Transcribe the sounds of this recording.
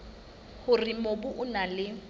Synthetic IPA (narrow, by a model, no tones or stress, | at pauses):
hʊrɪmobʊʔʊnalɪ